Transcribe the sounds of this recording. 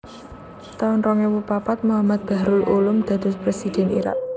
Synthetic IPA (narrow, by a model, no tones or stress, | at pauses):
t̪aɔnɾɔŋewupapat̪̚muɦamat̪̚b̥a̤ɾʊlʔulʊmd̪̥a̤d̪̥ʊ̤spɾesid̪̥ɛ̤niɾa̰ʔ̚